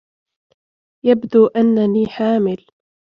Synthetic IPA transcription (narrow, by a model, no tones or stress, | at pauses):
jabd̪uːʔanːaniːħaːmɪl